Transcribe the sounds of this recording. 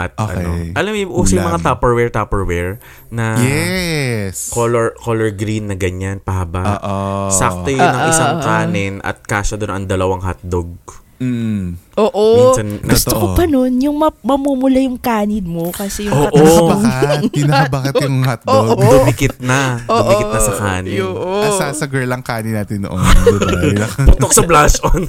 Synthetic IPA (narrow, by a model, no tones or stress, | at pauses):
ʔɐ̰t̪̚ʔʔɐ̰no̰ʔɐlɐmjʔuːsɐjʊŋmɐŋat̪aːpɛɹwɛɹt̪aːpɛɹwɛɹ | nɐjɛ | koloɹkoːlɛɹɡɾinːɐɡɐɲanpɐhɐbaːʔsɐk̚t̪ɐjnɐŋɪsaŋkaːnɪnɐ̰t̪̚kaːsɐd̪onɐŋd̪ɐlɐwaŋɦɐt̪̚d̪oɡ̚ | ʔoːʔosɐnːɡʊst̪okopɐnonjʊŋmɐmɐmuːmʊlajʊŋkaːnɪd̪mokɐsɛjʊŋoːʔobanɐɐbaːkɪtʊŋhat̪̚ːood̪ʊmikɪt̪̚nɐod̪ʊmʔiɪt̪ɐsɐkaːnɪoːʔosaːsɐɡɛlɐŋkaːnɪnaːt̪ɪnːo̰ʔo | pʊt̪ok̚sɐblasʔon